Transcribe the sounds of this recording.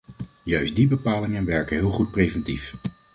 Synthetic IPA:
jœɥsdibəpaːlɪŋənʋɛɹkənɦɪːlˠχut̚prejvɛntif

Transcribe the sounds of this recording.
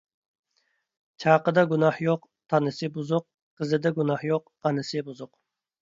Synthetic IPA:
t͡ʃʰɑːqəd̪ɑɡunɑhjoq | t̪ʰɑnɨsɨbuzʊq | qʰːəzɨd̪ɛɡunɑhjoq | ɑnɨsɪbuzʊq

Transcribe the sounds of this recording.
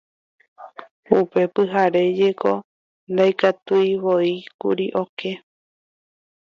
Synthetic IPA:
upe̞pɨɦaɾe̞d͡ʒe̞kʰo̞ | nd̪ajkat̪ujβoikṵɾiʔo̞ke̞

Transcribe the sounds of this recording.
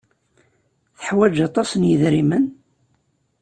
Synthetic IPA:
θə̥ħwæd͡ʒɑt̪ˤɑsənjəðɾimən

